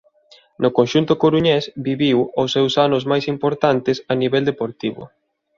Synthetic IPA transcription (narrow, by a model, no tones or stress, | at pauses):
nʊkõnʃunt̪ʊkoɾuɲɛsbiβiwʊsːɛwsanʊzmajsimpoɾt̪ant̪ɪsaniβɛld̪epoɾt̪iβʊ̰